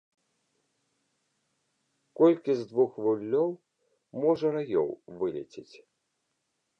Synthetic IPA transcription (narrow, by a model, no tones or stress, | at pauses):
kɔlʲkʲizd̪vuxvulʲːɔw | mɔʐɐɾajɔ̰wvɨlʲɛ̰t͡sʲit͡sʲ